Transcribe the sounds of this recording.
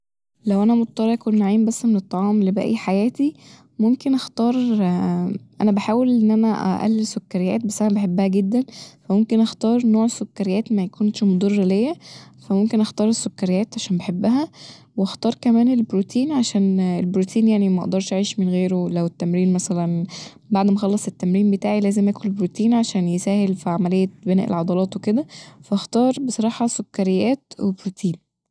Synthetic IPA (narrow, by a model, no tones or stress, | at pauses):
læwʔænæmot̪̚t̪ːˤɑɾˤɑʔkonːʕiːmbæsːmenet̪ˤːɑʕɑːmlebæ̰ʔæ̰jːħajæːt̪i | momkenʔɑxt̪ɑːɾˤ | ʔæ̰næbaħaːwelʔenːʔænæʔæ̰ʔæ̰lːesokːæɾejæ̰ːt̪̚bæsːʔænæbeħebːæhæɡed̪ːænfæmomkenʔɑxt̪ɑːɾˤnoːʕesːokːæɾejæːt̪mæjækuːnʃmod̪ˤɑrˤːælejːæfæmomkenʔɑxt̪ɑːɾˤesːokːæɾejæːt̪ʕaʃæːnbeħebːæɦæweɑxt̪ɑːɾˤkæmæːnelbɾut̪ʰiːnʕaʃæːnelbɾut̪ʰiːnjaʕnimæʔɑ̰ʔd̪ɑɾˤʃʔaʕiːʃmenɣeːɾolæwet̪ːæmɾiːnmæsælæn | baʕd̪mæxɑlːɑsˤet̪ːæmɾiːnbet̪aːʕilæːzemʔæːkunlelbɾut̪iːnʕaʃæːnjesæːhelfiʕamælejːæbenæ̰ːʔḛlʕɑd̪ˤɑlɑːt̪weked̪æfæʔɑxt̪ɑːɾˤbesˤɑɾˤɑːħɑsokːæɾejːæːt̪webɾut̪ʰiːn